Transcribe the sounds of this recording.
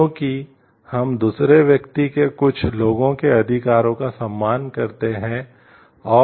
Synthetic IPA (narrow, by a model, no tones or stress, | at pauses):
õːki | hɐmd̪uːsɾeʋjɐkt̪ikekʊt͡ʃʰloːɡõkeɐd̪ʱɪkaːɾõkasɐ̃mːaːnkɐɾt̪eɦɛ̃ | ɔː